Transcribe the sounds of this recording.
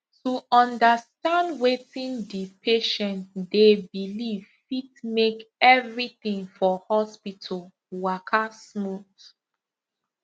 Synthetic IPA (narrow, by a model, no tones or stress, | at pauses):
tuɔ̃ndəstãndwetĩndipʰeʃɛ̃ntdebilivfitmekɛvɹiθĩŋfɔhɔspitʰəl | wakʰasmuθ